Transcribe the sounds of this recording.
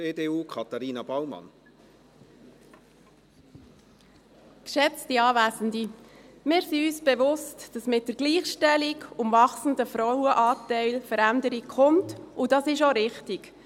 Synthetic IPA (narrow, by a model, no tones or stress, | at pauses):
eːdeːuːkʰɑt̪aɾiːnɑb̥awmɑ̰n | kʃɛt͡stiɑːvæːzən̩dimɪːɾsiyːsb̥ɛʋʊstd̥ɑsmɪt̚d̥əɾɡliːχʃtɛlikʊmvɑχsn̩dəfɾɔwəʔɑːtɛɪlfəɾændəɾikχʊntʊd̥ɑsɪʃoɾɪχtik